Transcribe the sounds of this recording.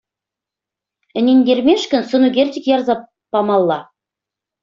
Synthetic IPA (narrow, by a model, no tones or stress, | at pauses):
ɘ̆nʲenʲd̪ʲermʲeʃkɘ̆nsɤ̆nuɡʲerʲtʲɘ̆kjɑrzɑ | pɑmɑlˠːɑ